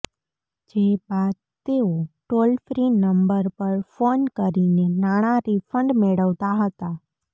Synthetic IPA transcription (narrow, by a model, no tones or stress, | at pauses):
d͡ʒebaːd̪̚ | t̪eoʈoːlpʰɾinəmbəɾpəɾfoːnkəɾinenaːɽ̃aɾifʰə̃ɳɖmeɽəʋt̪aɦət̪a